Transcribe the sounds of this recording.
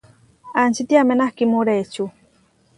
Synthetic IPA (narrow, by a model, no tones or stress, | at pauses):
ant͡ʃit̪iamenahkimuɾet͡ʃu